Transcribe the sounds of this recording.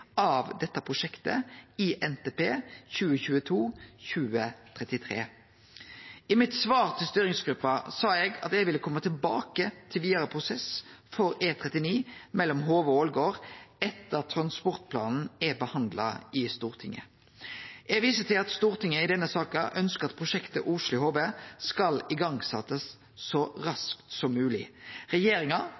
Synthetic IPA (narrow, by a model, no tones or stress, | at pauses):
ʔɑʋd̪ɛt̪ːəpʰʁʊʂɛkt̪ə̰ɪʔɛnt̪eːpeːçʉːəçʉːət̪ʰuːçʉːət̪ʰʁɛt̪ɪt̪ʰʁḛː | ɪmɪt̪sʋɑːʁt̪ʰɪlst̪yːɾɪŋsɡ̥ɾʉpːɑsɑːɛɡɑ̰t̪ɛʋɪlːəkʰɔmːət̪ʰɪlbɑ̰ːkət̪ʰɪlʋiːd̪ɑʁəpʰʁʊsɛsfɔʁeːt̪ʰʁɛt̪ɪniːmɛlːɔmɦoːʋəoːlɡoːʁɛt̪ːət̪ʰɾɑnspɔʁt̪̚pʰlɑ̰ːnn̩ɛbəhɑnd̪lɑ̰ɪst̪uːʁt̪ʰɪŋːə̰ | ɛʋiːsət̪ʰɪlɑt̪st̪uːʁt̪ʰɪŋːəɪd̪ɛnːəsɑːkɑʔœnskəʁɑt̪pʰʁʊʃɛkt̪əʔʊʂlɪhoːʋeskɑlɪɡɑŋsɑt̪ːəsː | ɔɾɑskt̪sɔmːʉːlɪ̰ʁɛjeːɾɪŋɑ